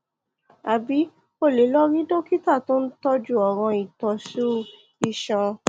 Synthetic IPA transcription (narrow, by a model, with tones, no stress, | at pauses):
a˨bi˨˦ | o˦˨le˨˦lɔ˦ɾ̃ĩ˦do˦ki˦ta˦˨to˦n̩˦tɔ˦d͡ʒu˦ɔ˨ɾ̃ɔ̃˧i˨tɔ˧ʃu˦ | i˧˨ʃɔ̃˧